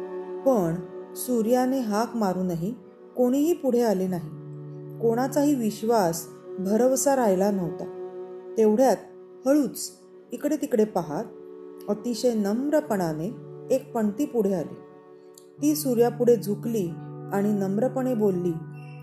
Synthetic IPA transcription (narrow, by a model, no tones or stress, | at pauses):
pəɳsuɾjaneɦakmaɾuːnaɦi | koɽ̃iɦiːpuɽ̤ealenaɦikoɽ̃at͡saɦiːʋiɕʋasbʱəɾəʋsaɾajlanəʋt̪at̪eʋɽ̤jat̪̚ | həɭuːt͡s | ikɽet̪ikɽepaɦat̪̚ət̪iɕejnəmɾəpəɳaneek̚pəɳt̪iːpuɽ̤ealḛ | t̪iːsuɾjapuɽ̤ed͡zʱukliːaɽ̃inəmɾəpəɳebolːiː